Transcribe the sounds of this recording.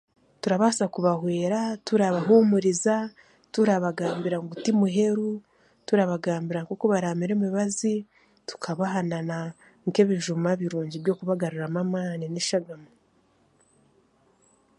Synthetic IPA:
tuɾaβasakuβahwe̞ːɾatuɾaβaɦumuɾiza | tuɾaβaɡaːmbiɾaŋɡutimuɦe̞ɾu | tuɾaβaɡaːmbiɾaŋkokoβaɾaːmiɾemiβazi | tu̥kʰaβaɦanana | ŋke̞βiʒumaβiɾuːɲɟiβɟo̞ːkuβaɡaɾuɾamamaːnineʃaɡamoo

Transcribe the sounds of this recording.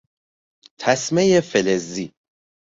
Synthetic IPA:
t̪ʰæsmejefelezi

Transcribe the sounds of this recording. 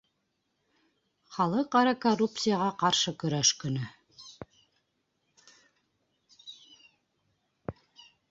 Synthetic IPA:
χɑlˠɤqɑɾɑkorup̚t̪sɨjəʁɑqɑɾʃɤkɵ̆ɾæʃkɵ̆nɵ

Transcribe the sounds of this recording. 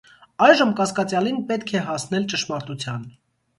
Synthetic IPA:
ɑjʒəmkɑskɑt͡sjɑlinpɛt̪kʰɛɦɑsnɛlt͡ʃəʃmɑɾt̪ut͡sʰjɑn

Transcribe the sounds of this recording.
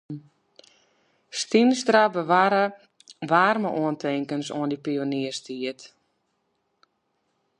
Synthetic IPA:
stimstrabəʋaɾə | ʋaːrməʔuəntʰɪŋkənso̰əndipioniərstʰiət

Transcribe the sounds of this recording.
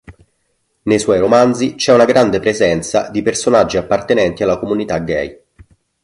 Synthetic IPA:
nejswɔjɾomand̪zit͡ʃɛunaɡɾand̪epɾezɛnt̪sa̰d̪ipersonad͡ʒːiapːart̪enɛnt̪ialːakomunit̪aɡɛ̰j

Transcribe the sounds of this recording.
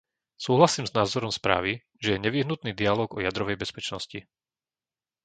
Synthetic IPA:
suːɦlasiːmznaːzɔɾɔmspɾa̰ːʋi | ʒɛjɛɲɛʋiɦnut̪niːd̪ialɔːɡɔjad̪ɾɔʋɛjbɛspɛt͡ʃnɔsci

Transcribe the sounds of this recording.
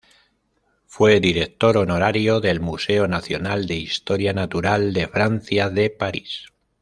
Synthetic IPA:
fwe̞ðiɾe̞k̚t̪o̞ɾo̞no̞ɾaɾjo̞ðe̞lmuse̞o̞naθjo̞nald̪e̞ist̪o̞ɾjanat̪uɾald̪e̞fɾan̟θjaðe̞paɾis

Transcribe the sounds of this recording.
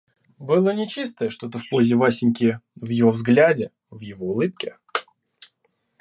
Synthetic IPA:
bɨlˠənʲɪt͡ɕis̬t̪əjəʂt̪o̞t̪əfpo̞zʲɪvasʲɪnʲkʲɪvjɪvo̞vzɡlʲædʲɪ | vjɪvo̞ʊlˠɨp̚kʲɪ

